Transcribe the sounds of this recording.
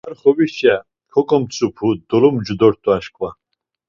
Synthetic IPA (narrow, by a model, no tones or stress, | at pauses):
arχɔwiʃa | kʰɔkʼɔmt͡sʰʼupʰud̪ɔlɔmd͡ʒud̪ɔɾt̪ʰʼuaʃkʼwa